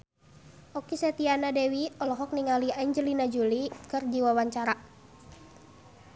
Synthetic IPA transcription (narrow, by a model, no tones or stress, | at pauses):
ɔkisɛt̪ianadɛwiɔlɔɦɔk̚niŋaliaiɲd͡ʒəlinad͡ʒulikərd͡ʒiwawaɲt͡ʃaɾa